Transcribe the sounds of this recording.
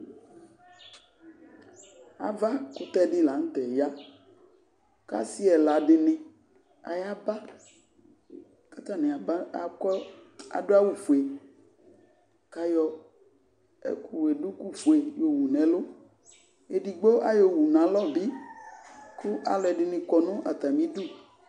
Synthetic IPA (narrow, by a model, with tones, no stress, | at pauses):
a̰˨va˦ku˦t̪ɛ˦ɖɪ˦la˨ŋ̩˦t̪ɛ˨ja˦ | ka̰˦si˦ɛ˨la˨ɖɪ˨nẽ˨ | a̰˨ja˦ba˦ | ka˦t̪a˦˨nɛ̃˨a˨˦a˨kɔ˦a̰˨ɖo˦a˦wu˦˨fo˨e˨ | ka˦jɔ˦ | ḛ˦ku˨we˨ɖu˦ku˦fo˨e˨jo˨wu˨nɛ̃˨lo˦ | e˨ɖi˨ɡ͡bo˦ʔa˦jo˨wu˨nã˨lɔ˦˨bi˦ | ku˦ʔa˨lɛ˨ɖɪ˨nĩ˨kɔ˨nõ˦ʔa˨t̪a˨mĩ˦ɖu˦˨